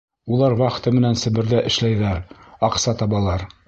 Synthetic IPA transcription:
ulˠɑɾwɑχ̆t̪ɤmɘ̆nænsɘ̆bɘ̆ɾðæʔɘ̆ʃlæjðæɾɑqsɑt̪ɑβɑlˠɑɾ

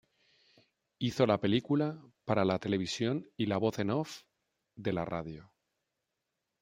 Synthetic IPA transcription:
iθo̞lape̞likulapaɾalat̪e̞le̞β̞isjo̞nilaβ̞o̞θe̞nof | d̪e̞la̰ra̰ðjo̞

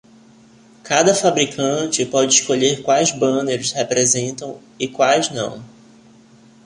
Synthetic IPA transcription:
kʰad̪ɐfabɾikʰɐ̃t͡ʃɪpɔd͡ʒɪiʃkoʎeɾkwajzbɐ̃neɾʊshepɾezẽnt̪ɐ̃w̃ | ɪkwajznɐ̰̃w̃

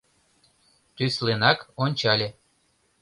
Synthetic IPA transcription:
t̪yslenɑkonʲt͡ɕɑlʲe

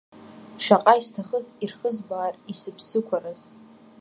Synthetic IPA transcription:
ʂaqʼaistʰaχəzirχəzbaːrisɨpʰsɨkʷʰaɾaz̥

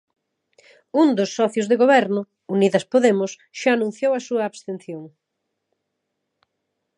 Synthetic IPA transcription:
und̪ʊsːɔθjozðeɣoβɛɾnʊ | uniðɐspoðemʊs | ʃaːnũn̟θjowɐsuɐːβst̪enθjoŋ

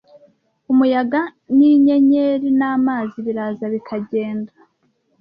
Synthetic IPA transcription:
umujaɡa | niɲeɲeɾinaːmaːziβiɾaːzaβikʰaɟe̞ːnda

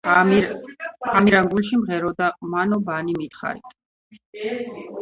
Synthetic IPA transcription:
amiɾamɡulʃimʁɛɾɔd̪amanɔbanimit̪χa̰ɾḭt̪ʰʼ

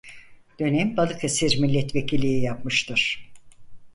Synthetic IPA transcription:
d̪̥ø̞nɛmbalˠɯkʰesiɾmilʲːɛt̪ve̞cʰilʲːijijap̚mɯʃt̪ʰɯɾ̥

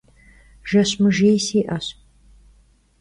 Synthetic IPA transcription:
ʒ̥ɐɕʼmɨʒejsiːʔɐɕ

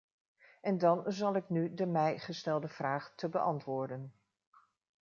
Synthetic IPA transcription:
ɛndɑnzɑlˠɪknydəmɛjχəstɛlˠdəv̥raːχtəbəʔɑ̰ntʋʊːɹdən

